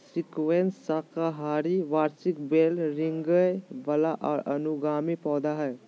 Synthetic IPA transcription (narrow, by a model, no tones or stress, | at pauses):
sɪkwensːakaɦaːɾiʋaːɾsɪkbeːlɾɪ̃ŋɡəjʋəlaʔʔɐnʊɡaːmipɔːd̪aɦɛː